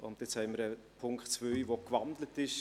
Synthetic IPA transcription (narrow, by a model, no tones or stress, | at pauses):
ʊ̰nt̪ɪt͡shɛɪməɾə | pʰʊŋktt͡svøiʋokʋɑndlətɪʃ